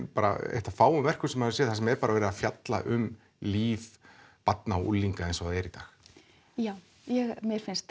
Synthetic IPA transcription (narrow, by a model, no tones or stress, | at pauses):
paːɾa̰ḛht̪afaːwʏmvɛr̥kʏsɛmhaðʏsɛːθasɛmɛɾpaːɾavɛːɾðafjat̪la̰ʔʏm | liːvpat̪naɔʔṵlːiŋkaejnsɔaðɛɾit̪aːx | jaːw | jɛɣmjɛɾ̥fɪnst̪